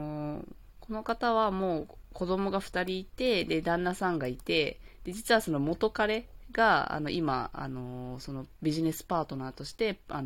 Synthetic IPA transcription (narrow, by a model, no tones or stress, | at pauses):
o | ko̞no̞kat̪aβ̞amo̞ːko̞d̪o̞mo̞ɡaɸɯ̟̥t̪aɾʲiːt̪e̞d̪e̞d̪ãnːasãŋɡait̪e̞d̪̥e̞d͡ʑit͡sɨβaso̞no̞mo̞t̪o̞kaɾe̞ɡ̥aa̰no̞ʔima̰a̰no̞so̞no̞bʲiʑine̞sɨ̥paːt̪o̞naːt̪o̞ɕi̥t̪e̞an